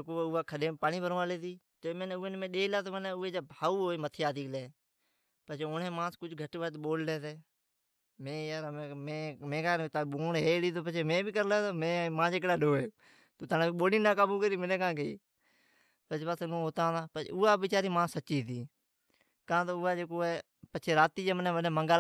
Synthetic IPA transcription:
koːʊːaːkʰəɗeːpaːɳiːbʱəɾõːaːleːt̪iː | t̪oːmenʊeːnmẽːɗeːlaːt̪oːməneːʊeːd͡ʒaːbʱaːuːɦoːeːmət̪ʰejaːd̪iːkleː | pət͡ʃeːoːɳẽːmãːskʊd͡ʒɡʱəʈːʋaːt̪ɓoːlleːt̪eː | mẽːjaːɾemẽːmẽːkaːnt̪ːoːɳɦeːɽiːt̪̬oːpət͡ʃʰeːmẽːbʱiːkəɾlaːt̪oːmẽːmãːd͡ʒeːk̬ɽaːɗoːeː | t̪oːt̪ʰaːnẽːiɓoːliːnãːkaːbuːkəɾiːmɪnẽːkãːkeiː | pət͡ʃpat̪nũːɦoːt̪ãːd̪aːpə̰ʊːaːbɪt͡ʃaːɾiːmãːsətːt͡ʃiːt̪ʰiː | kãːt̪oːʊːaːd͡ʒeːkoːeː | pət͡ʃʰeːɾaːt̪iːd͡ʒeːmənẽːʋəneːməŋɡa

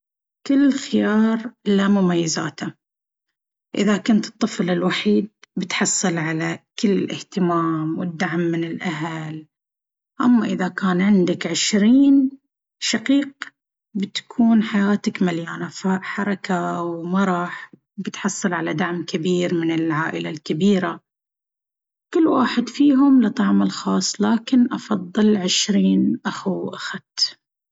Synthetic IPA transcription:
kɪlːxɪjɑːɾˤlamʊmajːɪzaːt̪a | ʔɪ̰ðakʊnt̪ɨ̥t̪ˤːɨflɪlwaħiːd̪̚bɪt̪ħɑsˤːɨlʕalakɪlːɪlʔɪ̰ht̪ɪmaːmwɪd̪ːaʕmːɪnɪlʔaɦal | ʔamːaʔɪðakaːnʕɪnd̪akʕɪʃɾiːn | ʃaqiːq̚ | bɪt̪ḁkʰuːnħajaːt̪akmaljaːnafaʔħɑɾˤɑkawmɑɾˤɑːħ | bɪt̪ħɑsˤːɨlʕalad̪aʕmkabiːɾmɪnɪlʕaːʔɪlalkabiːɾa | kɪlːwaːħɪd̪fiːɦʊmlɨt̪ˤɑʕmɪlxɑːsˤːlaːkɪnʔɑfɑðˤːɨlʕɪʃɾiːnʔaxuwʔaxad̪

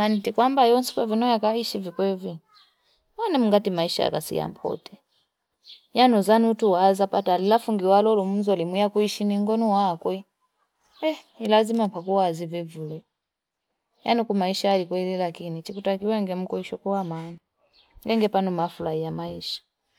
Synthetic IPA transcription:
manitikwambajɔnsi̥kwɛvinɔjakaiʃivikwɛvi | wanɛm̩uŋɡatimaiʃa̰ja̰ka̰sḭja̰mpʰɔ̰tɛ | januzaniutuwazapatalilafuŋɡiwalɔlum̩zɔlimijakuiʃiniŋɡɔnɔwakwɛ | ɛnilazimapakuwazivivulu | janikumaiʃaalikwɛlilakinit͡ʃikutakiwaŋɡɛm̩kuiʃɔkuwamani | ɡɛŋɡɛpanumafulahijamaiʃḁ

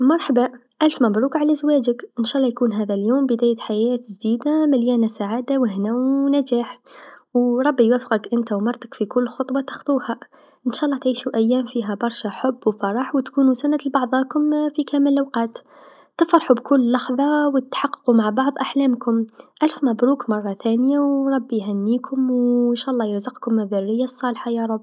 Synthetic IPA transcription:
mɑɾˤħaba | ʔælfmɑbɾˤuːkʕalæzwæːd͡ʒəkʔənʃæːʔlːɑjkuːnɦæːðæljoːmbəd̪æːjæt̪ħajæːt̪ʒd̪iːd̪amɪljæːnasaʕaːd̪awəɦnawnæd͡ʒaːħwɾˤɑbːijwæfə̥qəkʔənt̪awmɑɾˤt̪akfikʊlːxot̪ˤwɑt̪ɑ̥xt̪ˤuːha | ɪnʃaʔlˤːɑt̪ʕiːʃuʔæjːæːmfiɦæbɑɾˤʃaħʊbːwfɑɾˤɑħwt̪kuːnusanalbɑʕðˤɑːkʊmfikæːməlʔawqɑːt̪ | t̪ɪfɾˤɑħubkʊlːɑxðˤɑwt̪t̪ħɑqːqumaʕbɑʕðˤʔaħlæːmkʊmʔælfmæbɾuːkmɑrˤːɑθænjawɾˤɑbːijɦænːiːkʰʊmwnʃaːʔɑlˤːɑːjəɾzəqkʊmːɪðʊrːɪjːasˤːɑːlħajɑɾˤɑbː

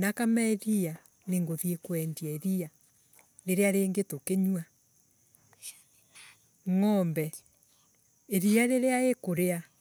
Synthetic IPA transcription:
nakamaɛɾia | neŋɡoðiekwɛndiaeɾia | ɾeɾeaɾeːŋɡetokeɲwa | ŋɔmbɛ | eɾiaɾeɾeaekoɾea

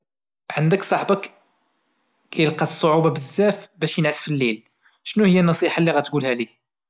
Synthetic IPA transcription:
ʕənd̪əksˤɑħbək | kæjəlqɑsˤːoʕubɑbəzːæfbæʃjənʕəsfilːil | ʃnuhəjːænːɑsˤiħɑlːiɣæt̪ɡulhæli

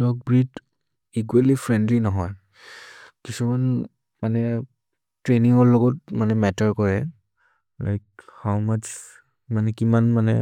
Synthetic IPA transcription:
tɔk̚bɹit | ik̬walipʰɹɛndlinɔɦɔj | kisuman | manɛ | tɹeniŋɔɹlɔɡɔt̚manɛmɛtɔɹkɔɹɛ | la̰jk̚hawmat͡ʃ | manɛkimanmanɛ̰

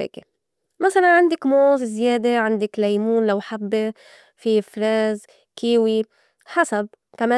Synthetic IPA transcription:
ḛːke | masalanʕand̪ɪkmoːzzjeːd̪eʕand̪ɪklajmuːnlawħabːe | fifɾaːz | kiːwi | ħasab̚ | kameː

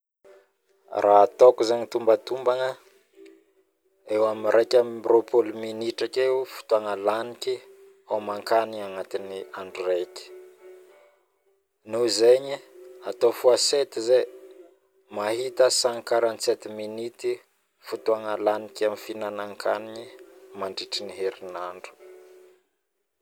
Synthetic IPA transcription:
rʔaat̪okuzeɲit̪umbət̪umbaŋə | ewaminɾʔekʲamibropʰolminiʈ͡ʂakefu̥t̪uaŋəlaniki | omaŋkaniaŋat̪iniaɳɖ͡ʐureki̥ | nuzeɲiat̪ofuaset̪ize | mahit̪əsaŋkaɾant͡set̪iminit̪i | fut̪uaŋalanikʲamifinanaŋkʰaniɲimaɳɖ͡ʐiʈ͡ʂiniɦeɾinaɳɖ͡ʐu̥

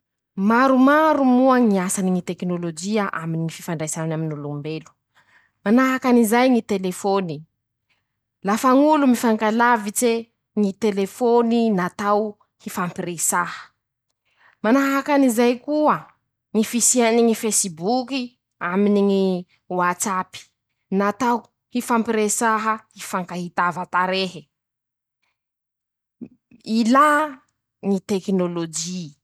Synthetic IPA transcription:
maɾumaɾumuəŋiasaniŋit̪eknolod͡ʒiaʔaminiŋififaɳɖ͡ʐajsananaminulumbelu̥ | manaɦakanizajŋit̪elefoni | lafaŋulumifaŋkalavit͡se | ŋit̪elefoninat̪aw | hifampiresahə̥ | manaɦakanizajkuə | ŋifisianiŋifesibuki | aminiŋi | wat͡sapi̥ | nat̪aw | hifampiɾesaɦəhifaŋkahit̪avat̪aɾeɦi | ila | ŋit̪eknolod͡ʒi

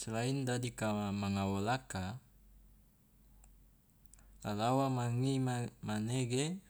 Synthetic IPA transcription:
slaindadikamaŋawolaka | lalawamaŋimmaneɡe

